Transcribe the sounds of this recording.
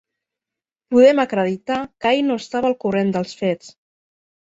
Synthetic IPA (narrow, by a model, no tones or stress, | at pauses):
puðɛməkɾəðit̪akajnoəst̪aβəlˠkurend̪əlˠsfet͡s